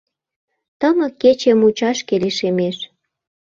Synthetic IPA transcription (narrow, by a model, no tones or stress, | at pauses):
t̪əmə̆kːet͡ɕemut͡ɕɑʃkeleʃemeʃ